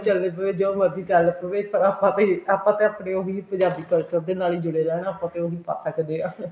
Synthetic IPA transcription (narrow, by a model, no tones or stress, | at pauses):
t͡ʃəld̪eːpəʋeːd͡ʒooməd̪iːkəlpəʋeːpəɾaːpãːt̪ẽːaːpãːt̪ẽːəːpɽẽːoːɦiːpə̃ɲd͡ʒaːbiːkəlt͡ʃəɾd̪eːnaːliːd͡ʒʊɽeːlɛːnaaːpãːt̪ẽːoːɦiːpa̰ːt̪ʰːaːkəneːãː